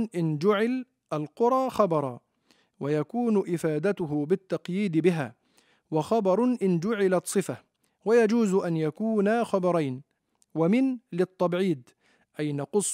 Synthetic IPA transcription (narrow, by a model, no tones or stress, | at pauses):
ʔɪnd͡ʒʊʕɪl | ʔalqʊɾˤɑːxɑbɑɾˤɑː | wajakuːnʔɪfaːd̪at̪ʊɦʊbɪt̪ːɑqjiːd̪bɪɦa̰ː | wɑxɑbɑɾˤʔɪnd͡ʒʊʕɪlat̪sˤɨfa | wajad͡ʒuːzʔanjakuːnaxɑbɑɾˤɑjn | wamɪnlɪt̪ˤːɑbʕiːd̪ | ʔajnɑqʊsˤ